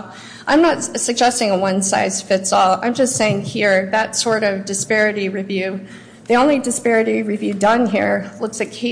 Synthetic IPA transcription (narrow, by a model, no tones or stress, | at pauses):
ʔãɪ̃mnətsɨɡ̚d͡ʒɛstɪ̃ŋəwʌ̃nsa̰ɪz̥fɪtsɔlˠã̰ɪ̃md͡ʒʌstseɪɪ̃ŋhiɹðɨtsɔɹɾʌvdɨspɛɹɨɾiɹivjʉ | ðiõʊ̃nlidɨspɛɹɨɾiɹivjʉdʌ̃nɦiɹlʊksɨkʰeɪ